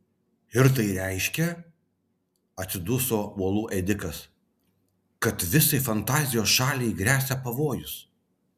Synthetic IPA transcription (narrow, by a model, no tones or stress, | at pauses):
ɪɾt̪ɐɪɾʲæɪʃʲkʲɛ | ɐt̪sʲɪd̪ʊsoːuɔlˠuːʔɛd̪ʲɪkɐs | kɐt̪ʋʲɪsɐɪfɐnt̪ɑːzʲɪjoːsʃɑːlʲɛɪɡɾʲæːsʲɛpɐʋoːjʊs